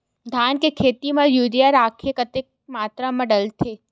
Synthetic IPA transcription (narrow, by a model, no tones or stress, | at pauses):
d̪ʱankekʰet̪imãjud̪jaɾakʰekət̪ek̚mat̪ɾaməɽəlt̪ʰe